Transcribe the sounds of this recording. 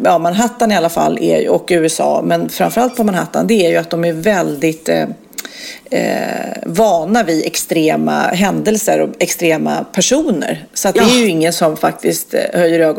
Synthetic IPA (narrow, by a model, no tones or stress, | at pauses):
ɑːmanɦat̪ːanɪalːafa̰lːɛ̰ɾj̰ɔkːʉ̟ːɛsɑ̰ːmɛnfɾamfœɾalt̪̚pʰɔmanɦat̪ːa̰nd̪ɛæɾjɵat̪̚d̪ɔmæɾvɛld̪ɪt̪ | vɑːnavɪɛkst̪ɾeːma̰ɦɛnd̪ɛlsə̰ɾɔɛkst̪ɾeːma̰pʰæʂuːnə̰ɾsɔat̪dɛæɾjɵɪŋːənsɔmfak̚t̪ɪst̪hœjːəɾøːɡɔ